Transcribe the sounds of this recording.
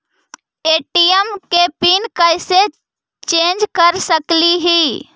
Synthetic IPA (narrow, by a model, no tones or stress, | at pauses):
eʈijəmkepinkəjse | t͡ʃend͡ʒkəɾsəkliɦi